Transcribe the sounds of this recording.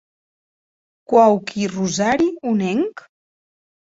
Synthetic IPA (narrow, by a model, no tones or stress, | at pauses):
kwawkʰiruzaɾiunɛŋk